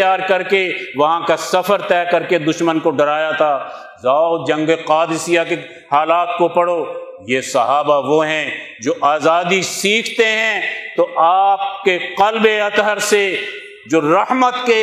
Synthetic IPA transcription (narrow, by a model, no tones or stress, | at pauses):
jaːɾkɐɾkeʋɐɦãkasɐfəɾt̪ɛːkɐɾked̪ʊʃmənkoɖɐɾaːjat̪ʰaː | zaːd͡ʒɐ̃ŋɡeqaːd̪ɪsijake | haːlaːt̪kopɐɽoː | jesɐɦaːbaʋoɦɛ̃ | d͡ʒoːʔaːzaːd̪isiːkʰt̪eɦɛ̃t̪oʔaːp̚keqɐlbeɐt̪ɦəɾse | d͡ʒoːɾɐɦmət̪ke